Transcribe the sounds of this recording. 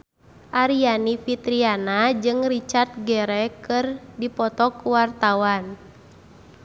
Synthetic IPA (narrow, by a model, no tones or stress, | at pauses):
ʔaɾianifit̪ɾianad͡ʒɨŋrit͡ʃart̪̚ɡɛɾɛkɨrdipɔt̪ɔkuwart̪awan